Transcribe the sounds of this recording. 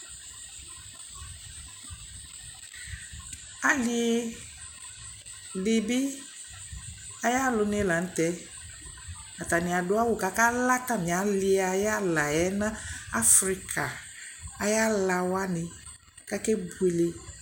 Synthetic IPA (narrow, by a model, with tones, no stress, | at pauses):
a˨lɪ˦ | lɪ˨bɪ˦ | a˦ja˦lʊ˦ne˦la˨n̩˦t̪ɛ˦ | a˨t̪a˨nɪ̃˨a˨dʊ˦a˦wʊ˨ka˨kaː˦la˦ta˦mɪ̃˨a˨˦lɪ˦a˨ja˦la˨jɛ˦nã˦a˦fɾi˦kʰa˨a˨ja˦la˨wa˦nɪ̃˨ | ka˦kɛ˦bu˦e˨le˦